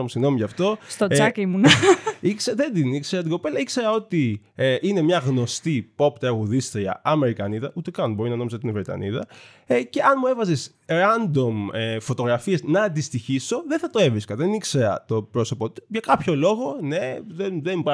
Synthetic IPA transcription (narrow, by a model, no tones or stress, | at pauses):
musiɣno̞miʝɐft̪o̞st̪oɐklmunɐikseðend̪inikse̞ɾɐt̪iɡo̞pe̞lɐikse̞ɾɐo̞t̪i | ʔine̞mɲɐɣno̞st̪ipo̞pt̪ɾɐɣuðist̪ɾiɐ̰ɐme̞ɾikɐniðɐʔut̪ekɐnbo̞ɾinɐnomis̬ot̪inevɾet̪ɐ̰nḭðɐ̰ | ce̞ɐnmue̞vɐzes | ɾɐnd̪o̞mefo̞t̪o̞ɣɾɐfieznɐːnd̪ist̪içiso̞ðenθɐt̪o̞e̞vɾiskɐðenikse̞ɾɐ̰t̪o̞pɾo̞so̞pot̪u̥ʝɐkɐpço̞lo̞ɣo̞ne̞ðenðembɐ